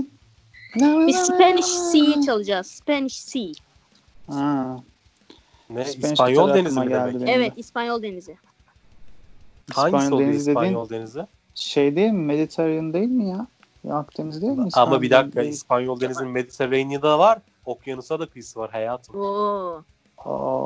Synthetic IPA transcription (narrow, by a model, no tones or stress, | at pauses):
nɛbispɛnʃsit͡ʃʰalˠɯd͡ʒazspɛnʃsi | hɛ | nɛiɛsnʃpanjolˠd̪enizmaɟ̪æld̪id̪eɛvɛispanjolˠd̪e̞nizɪ | ih̪ananjlˠd̪enizd̪e̞d̪iːnjolˠd̪enizɪ | ʃejd̪ejilʲmimːelʲit̪ʰeɾajand̪e̞jilʲmija | jakd̪e̞nizd̪e̞jilʲmisamabid̪ak̚k̪ʰːaispanjolˠd̪enizinmed̪ʲit̪ʰeɾejnijid̪avaɾ | okʰjanusad̪akʰɯjɯsɯvaɾɦejaːt̪ʰɯmo | o̰